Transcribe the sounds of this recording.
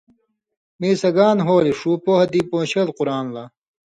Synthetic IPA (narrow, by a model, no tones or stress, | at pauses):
miːsɐɡaːnɦoːliʂuːpohɐd̪iːpõːɕelquɾaːnlɐ